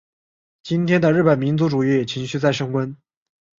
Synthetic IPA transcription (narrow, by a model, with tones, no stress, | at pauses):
t͡ɕi˥nt̪ʰjɛ˥nd̪ə˨ɻ̩˥˩pə˨˩nmi˧˥nt͡su˧˥ʈ͡ʂu˨˩i˥jɛ˨˩t͡ɕʰi˧˥ŋɕy˥˧t͡sa˥˩ɪʂɤ˥ŋwə˥n